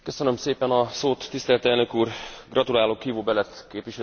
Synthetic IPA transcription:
kø̞sønømseːpɛnɒsoːt̪ːist̪ɛlt̪ɛlnø̞kuːrɡrɒt̪ulaːlokhiːvoːbɛlɛt̪keːpʋiʃɛ

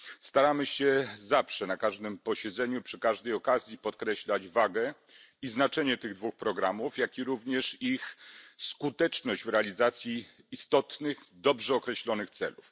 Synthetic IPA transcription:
st̪aɾamɘɕɛzafʂɛnakaʐd̪ɘmpɔɕɛd̪zɛɲupʂɘkaʐd̪ɛjɔkazʲjipɔt̪kɾɛɕlad͡ʑvaɡɛ | iznat͡ʂɛɲɛt̪ɘɣd̪vuxpɾɔɡɾamufjakʲiɾuvɲɛʂixskut̪ɛt͡ʂnɔʑd͡ʑvɾɛalʲizat̪sʲjiː | st̪ɔt̪nɘxd̪ɔbʐɛɔkɾɛɕlɔnɘxt̪sɛ̰luf

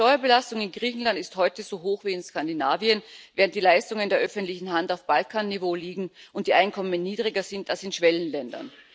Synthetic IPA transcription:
tɔʏɐbəlastʊŋɪnɡʁiːçn̩lantɪsthɔʏtəzoːɦoːxv̥iːɪnskandinaːviənvɛːʁəntd̥iːlaɪstʊŋəndeːɐʔœfəntlɪçn̩ɦantaʊfb̥alkʰaːnːivoːliːɡŋ̩ʔʊnt̚d̥iːʔaɪnkʰɔmənːiːdʁɪɡɐzɪntalsɪnʃv̥ɛlənlɛndɐ̰n

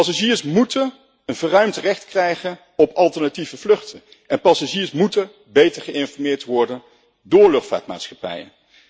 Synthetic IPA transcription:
pɑsaʒiːɹsmutən | ənvərœɥmtrɛχtkrɛjχən | ɔpʰɑlˠtəɹnativəvlɵχtə | ɛnpɑsaʒiːɹsmutən | bejtəɹχəɪnfɔɹmɪːɹtʋɔɹdən | dʊːɹlɵχtfa̰ːtma̰ːtsχɑpɛ̰jə̰n

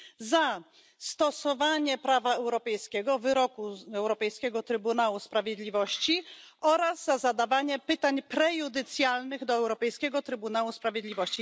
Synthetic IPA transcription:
za | st̪ɔsɔvaɲɛpɾavaɛwɾɔpɛjskʲɛɡɔvɘɾɔkuɛwɾɔpɛjskʲɛɡɔt̪ɾɘbunawuspɾavʲjed̪lʲivɔɕt͡ɕiɔɾazːazad̪avaɲɛpɘt̪aɲpɾɛjud̪ɘt̪sʲjalnɘɣd̪ɔɛwɾɔpɛjskʲɛɡɔt̪ɾɘbunawuspɾavʲjed̪lʲivɔɕt͡ɕi

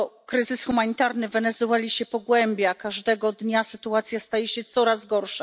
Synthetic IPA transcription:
kɾɘzɘsxumaɲit̪aɾnɘvɛnɛzuɛlʲiɕɛpɔɡwɛmʲbʲjakaʐd̪ɛɡɔd̪ɲasɘt̪uat̪sʲjast̪ajɛɕɛt̪sɔɾazɡɔɾʂa

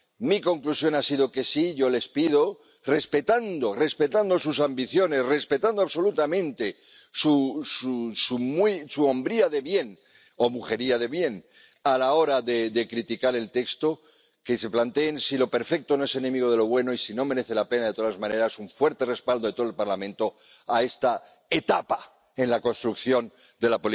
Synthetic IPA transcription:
miko̞ŋklusjo̞nasiðoke̞siʝo̞le̞spið̞o̞ | re̞spe̞t̪and̪o̞re̞spe̞t̪and̪o̞susambiθjo̞ne̞sre̞spe̞t̪and̪oaβso̞lut̪amẽ̞nt̪e̞ | sususumisuombɾiaðe̞βje̞n | o̞muxe̞ɾiað̞e̞βje̞n | alao̞ɾaðeðekɾit̪ikaɾe̞lt̪e̞kst̪o̞ | kese̞plant̪e̞ːnsilo̞pe̞ɾfe̞k̚t̪ono̞e̞se̞ne̞miɣ̞o̞ð̞e̞lo̞βwe̞no̞isino̞me̞ɾe̞θe̞lape̞naðe̞t̪o̞ðazmãne̞ɾasuɱfwe̞ɾt̪e̞re̞spald̪oet̪oelpaɾlamẽnt̪o̞ | ae̞st̪a | e̞t̪apa | e̞nlako̞nst̪ɾukθjo̞n | d̪e̞lapoli

